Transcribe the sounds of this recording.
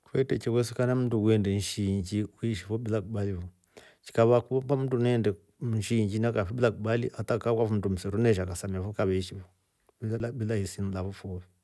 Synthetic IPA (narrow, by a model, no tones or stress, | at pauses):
kwɛtɛt͡ʃɛkwɛsikanam̩duwɛndɛnʃiɲd͡ʒiwiʃifɔbilakuɓaliβɔ | t͡ʃi̥kaβakuβpam̩dunɛndɛ | nʃiɲd͡ʒinakafɔɓilakuɓaliatakakwafum̩dum̩sɛɾunɛʃ̬akasamiafɔkaβɛiʃifɔ | bialabilahisinlaβɔfɔβi